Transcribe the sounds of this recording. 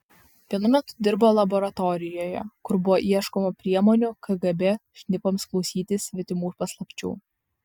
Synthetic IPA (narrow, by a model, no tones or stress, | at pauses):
ʋʲiɛnʊmʲɛt̪ʊ̥d̪ʲɪɾboːlˠɐbɔɾɐt̪ɔɾʲɪjoːjɛ̰kʊɾbʊʋoːʔiɛʃkɔmʊpʲɾʲiɛmɔːnʲʊkʰɐɡɐbʲɛʃʲnʲɪpoːmsklˠɔʊsʲiːt̪ʲɪsʲʋʲɪt̪ʲɪmuːpɐslˠɐpʲt͡ʃʲṵː